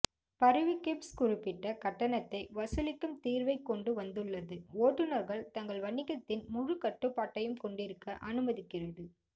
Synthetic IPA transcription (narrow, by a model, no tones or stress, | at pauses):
pɐɾɯʋɪkepskʊrɪpːɪʈːɐkɐʈːɐnɐt̪ːɐɪʋɐsɯlɪkːɯmt̪iːɾʋɐɪkːɔɳɖɯʋɐnd̪ɯɭːɐðɯoːʈːɯnɐɾɣɐɭt̪ɐŋɡɐɭʋɐɳɪɣɐt̪ːɪnmʊɻɯkɐʈːɯpːaːʈːɐjɯmkɔɳɖɪɾɯkːɐʔɐnɯmɐðɪkːɪrɐðɯ